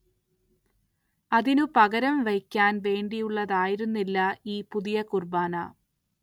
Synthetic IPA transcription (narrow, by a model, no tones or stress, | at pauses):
ɐðinupɐɣɐɾɐmʋɐjkʲːaːnʋe̞ːɳɖijuɭːɐðaːjiɾunːilːɐiːpuðijɐkurbaːnɐ̰